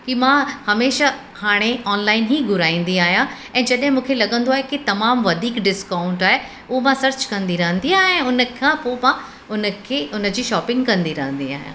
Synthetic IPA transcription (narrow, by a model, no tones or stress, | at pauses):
kimãhɐmeːʃa | haːɽ̃eɔːnlaːɪnɦiːɡʊɾaːĩːn̆d̪iaːɦijã | ɛ̃ːd͡ʑɐɗɦɪ̃mũːkʰelɐɠə̃nd̪oaːɦekit̪ɐmaːmʋɐd̪ʱiːkɖɪskaːʊ̃ɳʈaːɦe | ʊɦomãsɐɾt͡ɕkɐ̃nd̪iɾɐɦə̃nd̪iaːɛ̃ːʊnəkʰãpomã | ʊnəkʰeːʔʊnə̆d͡ʑiːʃɔːpɪ̃ŋɡkɐ̃nd̪iɾɐɦə̃nd̪ia̰ːɦijã̰ː